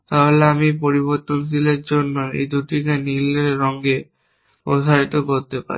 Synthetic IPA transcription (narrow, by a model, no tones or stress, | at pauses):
t̪aɦoleamipoɾiβoɾt̪onsileɾd͡ʑonːoḛjd̪uʈikenileɾɔŋɡe | pɾoʃʰaɾit̪okoɾt̪epa̰ɾi